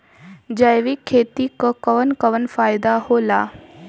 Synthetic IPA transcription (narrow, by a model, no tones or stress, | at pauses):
d͡ʒəjʋikʰːeːt̪ikakəʋənkəʋənfaːɪd̪ahoːlaː